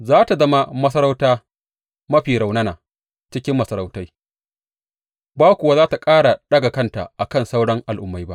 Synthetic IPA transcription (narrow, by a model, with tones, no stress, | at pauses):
zaː˦ta˨zɐ˦ma˦mɐ˦s̬ɐ˦ɾa˦wtaː˦ | mɐ˦ɸiː˨ɽa˨wnɐ˦naː˨ | t͡ʃɪ˦kʲɪ˦mːɐ˨sɐ˨ɾa˨wta˦j | baː˦kʷʊ˨wa˦zaː˦ta˨kʼaː˦ɽa˨ɗɐ˦ɡa˨kɐ˦nta̰˨ʔa˨kɐ˦˨nsa˦wɽɐ˦ŋʔa˨lʔʊ˦mːa˦jba̰˦ʔ